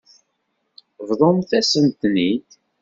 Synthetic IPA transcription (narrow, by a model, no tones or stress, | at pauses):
vðˤomθæsənt̪nid̪